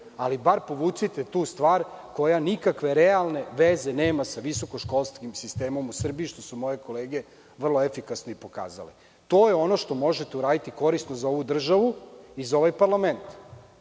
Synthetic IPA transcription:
alibaɾpoʋusit̪et̪uːst̪ʋaːɾko̞janikakʋe̞ɾealˠne̞ʋezeneːmasaʋiso̞ko̞ʃko̞lˠskimsist̪e̞ːmo̞musr̩biiʃt̪o̞sumo̞je̞ko̞leːɡe̞ | ʋr̩lˠo̞efikasnoipo̞ka̰ːza̰le | t̪o̞ːjeo̞no̞ʃt̪o̞mo̞ʒet̪e̞uɾaːd̪it̪iko̞ɾisnozao̞ʋud̪r̩ʒaʋuizaoʋajpaɾlament̪

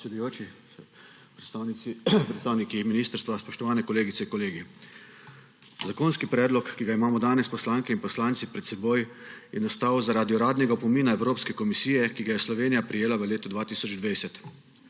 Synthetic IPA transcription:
psɛd̪ujoːt͡ʃi | pɾanpɾɛt̪saːwnikiminiːst̪əɾst̪ʋaspɔʃt̪ɔʋaːnɛkɔleːɡit̪ɛiŋkɔleːɡi | zakoːnskipɾɛːd̪lɔkːiɡaimaːmɔd̪aːnɛspɔslaːŋkɛinpɔslaːnt̪sipɾɛt̪sɛboːjjɛnast̪aːwzaɾad̪iɔɾaːd̪nɛɡapɔmiːnaɛwɾoːpskɛkɔmisiːjɛkiɡajɛslɔʋeːnijapɾijeːlaʋəleːt̪ɔd̪ʋaːt̪iːsɔd͡ʒd̪ʋajsɛt̪

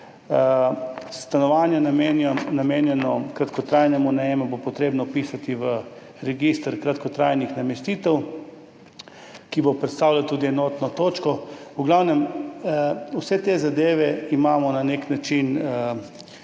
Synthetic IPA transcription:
st̪anɔʋanjanamennamenjɛnɔkɾat̪kɔt̪ɾajnɛmunɛjɛmɛbopɔt̪ɾeːbnɔpisat̪iʋə | ɾɛɡist̪ɾkɾat̪kɔt̪ɾajnixnamɛst̪iːt̪ɛw | kibopɾɛt̪st̪awlat̪uːd̪iɛnɔt̪nɔt̪oːt͡ʃkɔuɡlawnɛm | usɛt̪ezad̪eːʋɛimaːmɔnaneknat͡ʃin

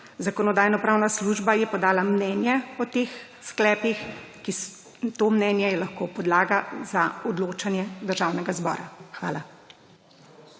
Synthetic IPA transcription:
zakɔnɔd̪aːjnɔpɾaːwnasluʒbajɛpɔd̪aːlamnɛːnjɛɔt̪eːx | sklɛːpixkis | t̪oːmnɛnjɛjɛlaxkoːpɔd̪laːɡazaɔd̪loːt͡ʃanjɛd̪əɾʒawnɛɡazbɔ̰ːɾa̰xʋa̰ːla

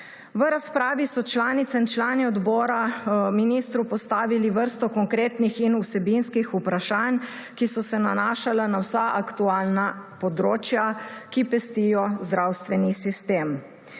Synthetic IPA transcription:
ʋəɾaspɾaːʋisɔt͡ʃlaːnit̪sɛnt͡ʃlaːniɔd̪bɔːɾaminist̪ɾupɔst̪aːʋiliʋəɾst̪ɔkɔŋkɾeːt̪nixinusɛbinskixupɾaʃan | kisɔsɛnanaːʃalanawsaʔakt̪uaːlnapɔd̪ɾoːt͡ʃjakipɛst̪ijɔzd̪ɾawst̪ʋɛnisist̪em

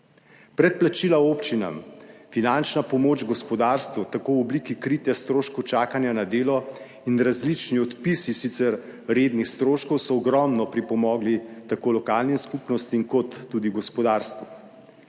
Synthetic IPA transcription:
pɾɛt̪̚plat͡ʃilaopt͡ʃina̰mfinant͡ʃnapɔmoːt͡ʃɡɔspɔd̪aːɾst̪ʋut̪akoːwɔblikikɾiːt̪jɛst̪ɾoːʃkɔwt͡ʃaːkanjanad̪eːlɔ | inɾazlit͡ʃniɔt̪pisisit̪sɛɾɾed̪nixst̪ɾoːʃkɔwsɔːɡɾɔmnɔpɾipɔmɔːɡlit̪akoːlɔkaːlniskupnɔst̪iiŋkɔt̪ːuːd̪iɡɔspɔd̪aːɾst̪ʋu

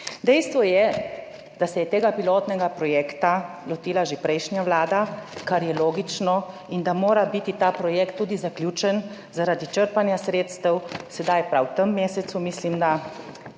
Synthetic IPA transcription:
d̪ɛjst̪ʋɔjɛ | d̪̥asɛjɛt̪eːɡapiloːt̪nɛɡapɾɔjɛːkt̪a | lɔt̪iːlaʒepɾɛjʃnjaʋlaːd̪akaɾjɛloːɡit͡ʃnɔ | ind̪amoːɾabit̪it̪aːpɾɔjɛkt̪ːuːd̪izaklʲjuːt͡ʃɛn | zaɾaːd̪it͡ʃəɾpanjasɾeːt̪st̪əwsɛd̪ajpɾawt̪əmːeːsɛt̪sumislimd̪a

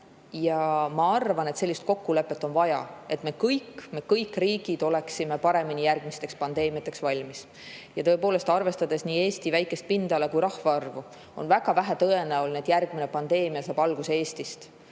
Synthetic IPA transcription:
jɑmɑɑrvɑne̞t̪se̞lʲːist̪̚ko̞kːule̞pːˑe̞t̪ːo̞nvɑjɑ̰e̞t̪me̞kɤjkːme̞kɤjkːriːɡ̥id̪̥o̞le̞ksime̞pɑɾe̞minijærɡ̥mist̪e̞kspɑnd̪̥e̞ːmijɑt̪ːˑe̞ksvɑlʲmis | jɑt̪ɤ̞e̞poːle̞st̪ɑrve̞st̪ɑd̪e̞sniːe̞ːst̪ivæjkːˑe̞st̪̚pind̪̥ɑle̞kujɾɑhvɑɑrvu | o̞̰nvæɡ̥ɑvæɦæt̪ɤe̞neolneːd̪̥jærɡ̥mine̞pɑnd̪̥e̞ːmiɑsɑːb̥ɑlɡ̥usee̞ːst̪ist̪

